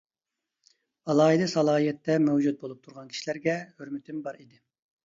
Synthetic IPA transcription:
ɑlˠɑːɦid̪ɨsɑlˠɑːijɛt̪ːɛmɛwd͡ʒut̪̚bolˠup̚t̪ʰuɾʁɑnkʲʰi̥ʃilæɾɡʲɛhøɾmɪt̪ʰɪmbɑɾid̪ɪ

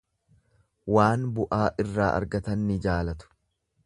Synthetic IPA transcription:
waːnbʊʔaːʔɪrːaːʔɐ̰ɾɡɐt̪ɐnːɪd͡ʒaːlɐt̪ʊ̥

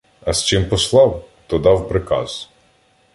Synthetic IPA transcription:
ɐst͡ʃɪmpɔslˠɑwt̪ɔd̪ɑwpɾɪkɑ̰z̥

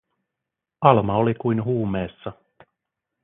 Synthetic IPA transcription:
ɑlmɑolikujnɦuːme̞ːsːɑ

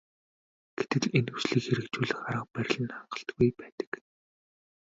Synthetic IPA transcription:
ɡ̥et̪ɘ̆ɮenusɮiːkxeɾɘ̆kt͡ɕuːɮɘ̆xaɾə̆q̚pæɾ̆ʲɮɘ̆nχaɴɢə̆ɬt̪ɡujpæːt̪ə̥̆k

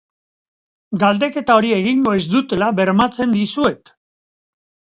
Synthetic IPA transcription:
ɡald̪e̞ke̞t̪ao̞ɾie̞ɣiŋɡo̞ezd̪ut̪e̞laβe̞ɾmat͡se̞nd̪isue̞t̪

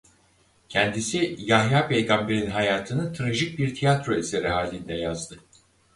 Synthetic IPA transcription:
cʰɛnd̪isijaɦjaːpʰejɡambe̞ɾinɦajaːt̪ʰɯnɯt̪ʰɾaʒic̚biɾt̪ʰijat̪ɾo̞eseɾiɦaːlʲind̪ɛjazd̪ɯ

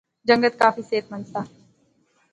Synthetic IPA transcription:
d͡ʒɐ̃ŋɡət̪̚kaːfiseːt̪mə̃nsaː

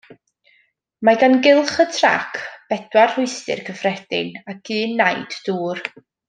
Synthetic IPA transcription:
maɡanɡɪlˠχətʰra̰kʰb̥ɛd̥warr̥ʊɨjstɪ̰rkʰəfrɛd̥ɪ̰nakʰɨːnːajd̥duːr

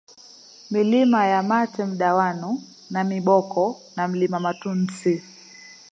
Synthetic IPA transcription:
milimajamatɛm̩ɗawanu | namiɓɔkɔ | nam̩limamatun̩si

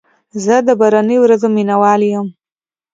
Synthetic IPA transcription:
zəd̪əbaɾanəjowɾazominawɑljəm

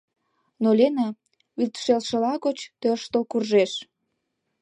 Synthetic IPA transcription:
nolʲenɑ | βilt̪ʃelʃə̆lɑɣot͡ɕt̪øʃt̪əlkurʒeʃ

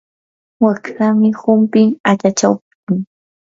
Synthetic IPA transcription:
wakɾamɪhʊmpɪŋat͡ʃat͡ʃawpɪ̥kʊŋ

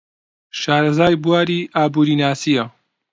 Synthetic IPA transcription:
ʃaːɾɐzaːjbuwaːɾiːʔaːbuːɾiːnaːsijɐ

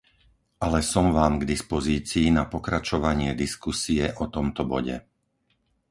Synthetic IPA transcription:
ʔalɛsɔmʋaːmɡd̪ispɔziːt͡siːnapɔkɾat͡ʃɔʋaɲɪɛd̪iskusiɛʔɔt̪ɔmt̪ɔbɔ̰ɟɛ̰

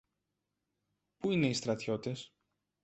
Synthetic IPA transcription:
puine̞ist̪ɾɐt̪ço̞t̪es

